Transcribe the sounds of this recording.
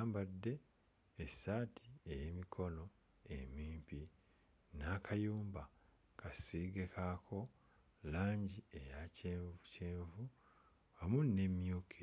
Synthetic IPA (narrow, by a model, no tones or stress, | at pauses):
aːmbadːe̞ː | sːaːtʰiejemikʰo̞no̞ | ḛmiːmpi | naːkʰajuːmba | kʰasiːɡekʰakʰo̞ | laːɲɟie̞jaceːvuceːɱvu | amunːe̞mjuːkʰe